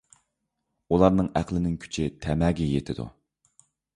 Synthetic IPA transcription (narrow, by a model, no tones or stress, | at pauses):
ulˠɑɾnɨŋæqlˠɪnɪŋkʲʰy̥t͡ʃʰɪt̪ʰɛmɛːɡʲɛjet̪ʰɪd̪ṵ